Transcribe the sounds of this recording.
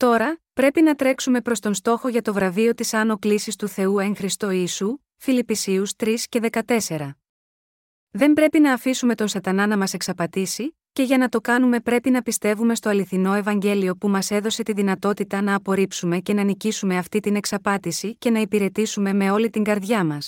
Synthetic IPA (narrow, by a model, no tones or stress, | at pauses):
t̪o̞ɾɐpɾe̞pinɐt̪ɾe̞ksume̞pɾo̞st̪o̞nst̪o̞xo̞ʝɐt̪o̞vɾɐvio̞t̪isɐno̞klisist̪uθe̞ue̞ŋxɾist̪o̞iːsu | filipisiust̪ɾisce̞ðe̞kɐt̪e̞se̞ɾɐ | ðe̞mbɾe̞pinɐːfisume̞t̪o̞nsɐt̪ɐnɐnɐmɐse̞ksɐpɐt̪isi | ce̞ʝɐnɐt̪o̞kɐnume̞pɾe̞pinɐpist̪e̞vume̞st̪o̞ɐliθino̞e̞vɐɲɟe̞lio̞pumɐse̞ðo̞se̞t̪iðinɐt̪o̞t̪it̪ɐnɐːpo̞ɾipsume̞ce̞nɐnicisume̞ɐft̪it̪ine̞ksɐpɐt̪isice̞nɐipiɾe̞t̪isume̞me̞o̞lit̪iŋɡɐɾðʝɐmɐs